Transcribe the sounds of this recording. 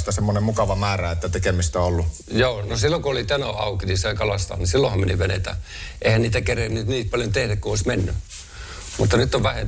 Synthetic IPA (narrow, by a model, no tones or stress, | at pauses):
st̪æsemːonemmukɑʋɑmæːræet̪ːæt̪ekemist̪æolːu | joːnosilːokuolit̪ænoɑ̰ukinisɑikɑlɑst̪ɑ̰ːnisilːohɑmmeniʋʋenḛt̪æ̰ | ʔeihænniːt̪ækerennyt̪niːt̪̚pɑljont̪ehdækkuoismenːy̰ | mut̪ːɑnyt̪ːoʋʋæhḛ